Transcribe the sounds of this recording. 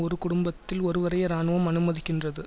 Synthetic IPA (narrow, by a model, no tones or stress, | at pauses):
ɔɾɯkʊɽʊmbɐt̪ːɪlɔɾɯʋɐɾɐjɐɾaːnɯʋɐmɐnɯmɐðɪkːɪndrɐðɯ